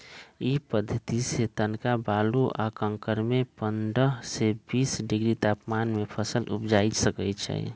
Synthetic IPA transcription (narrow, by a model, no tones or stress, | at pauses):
ipəd̪ʱːət̪iset̪ənkabaːluʔakə̃ŋkəɾmepəndəɦsebiːsɖɪɡɾit̪aːpmanmepʰəsəlʔupd͡ʒaisəkət͡ʃʰɛ̰